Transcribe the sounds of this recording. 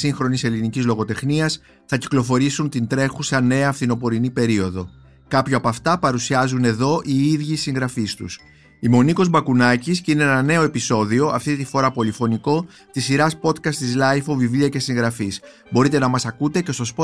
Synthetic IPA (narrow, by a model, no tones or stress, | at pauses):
siŋxɾo̞nise̞linicizlo̞ɣo̞t̪e̞xniɐs | θɐci̥klo̞fo̞ɾisunt̪int̪ɾe̞xusɐne̞ɐːfθino̞po̞ɾinipe̞ɾio̞ðo̞ | kɐpçoɐpɐft̪ɐpɐɾusiɐzune̞ðo̞ʔiiðʝisiŋɣɾɐfist̪ṵs | imo̞niko̞zbɐkunɐciscineenɐne̞o̞e̞piso̞ðio̞ɐft̪it̪ifo̞ɾɐpo̞lifo̞niko̞ | t̪isiɾɐspo̞t̪kɐst̪izlɐjfovivliɐce̞siŋɣɾɐfis | bo̞ɾit̪e̞nɐmɐsɐkut̪e̞ce̞st̪o̞spo